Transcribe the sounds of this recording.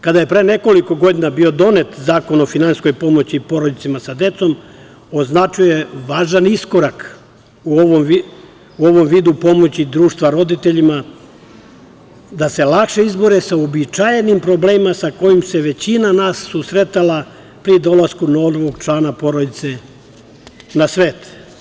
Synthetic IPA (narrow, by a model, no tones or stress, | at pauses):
kad̪aje̞pɾe̞ːne̞ko̞liko̞ɡo̞d̪inabio̞d̪o̞ne̞t̪zaːko̞no̞finansko̞jpo̞mo̞t͡ɕiːpo̞ɾod̪it̪simasad̪e̞t̪so̞m | o̞znat͡ʃuje̞ʋaːʒanisko̞ɾak | uoʋomi | uo̞ʋo̞mʋiːd̪upo̞mo̞t͡ɕid̪ɾuːʃt̪ʋaɾo̞d̪it̪eʎima | d̪ase̞lˠakʃe̞izbo̞ɾesaobit͡ʃajenimpɾo̞bleːmimasako̞jimse̞ʋe̞t͡ɕinanaːsːusɾe̞t̪alˠa | pɾid̪o̞lˠaskunolʋo̞ɡt͡ʃlaːnapo̞ɾod̪it̪se̞ | nasʋe̞ːt̪